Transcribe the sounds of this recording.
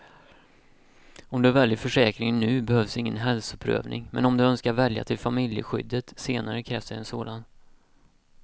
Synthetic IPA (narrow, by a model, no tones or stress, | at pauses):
ɔmd̪ɵvɛljəfœʂɛːkɾɪŋnʉ̟ːbɛhœːvsɪŋːə̰nɦɛlsʊpʰɾø̰ːvnɪ̰ŋmɛ̰nɔmd̪ɵœnskaɾvɛlja̰t̪ʰɪlfamɪljə̰ɧʏ̰d̪ːət̪seːnaɾəkʰɾɛːfsɛnsoːd̪an